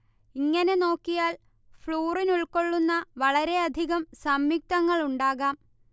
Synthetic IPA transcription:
iŋːɐne̞no̞ːkːijaːl | fɭuːrinuɭko̞ɭːunːɐʋɐɭɐɾe̞ɐd̪ʱiɣɐmsɐmjik̚t̪ɐŋːɐɭuɳɖaːɣaːm

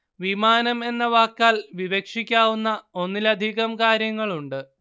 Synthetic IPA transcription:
ʋimaːnɐme̞nːɐʋaːkːaːlʋiʋekʂikʲːaːʋunːɐo̞nːilɐd̪ʱiɣɐmkaːɾjɐŋːɐɭuɳɖɨ

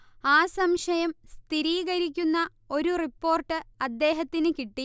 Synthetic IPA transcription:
aːsɐmʂɐjɐmst̪ʰiɾiːɣɐɾikʲːunːɐ | o̞ɾuripːo̞ːrʈːɨɐd̪ːeːɦɐt̪ːinɨkiʈːi

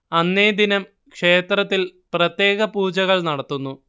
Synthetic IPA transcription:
ɐnːeːd̪inɐm | kʂe̞ːt̪rɐt̪ːilprɐt̪je̞ːɣɐpuːd͡ʑɐɣɐɭnɐɽɐt̪ːunːu

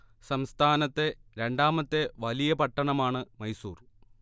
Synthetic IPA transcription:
sɐmst̪ʰaːnɐt̪ːe̞ɾe̞ɳɖaːmɐt̪ːe̞ʋɐlijɐpɐʈːɐɳɐmaːɳɨmɐjsuːr

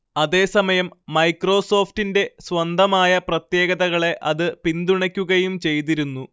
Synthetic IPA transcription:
ɐðe̞ːsɐmɐjɐmːɐjkro̞ːso̞ːftinde̞swɐnd̪ɐmaːjɐprɐt̪je̞ːɣɐðɐɣɐɭe̞ʔɐðɨpind̪uɳɐkʲːuɣɐjumt͡ɕe̞jt̪̬iɾunːu

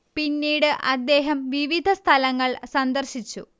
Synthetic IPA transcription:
pinːiːɽɨʔɐd̪ːeːɦɐmʋiʋid̪ʱɐst̪ʰɐlɐŋːɐɭsɐnd̪ɐrɕit͡ɕːu

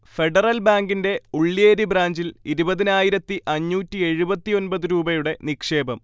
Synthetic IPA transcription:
fe̞ɖɐrɐlbaːŋɡinde̞uɭːijeɾibɾaːɲd͡ʑiliɾubɐðinaːjiɾɐt̪ːiʔɐɲːuːtːie̞ɻubɐt̪ːio̞nbɐðuɾuːbɐjuɽe̞nikʂe̞ːbɐm

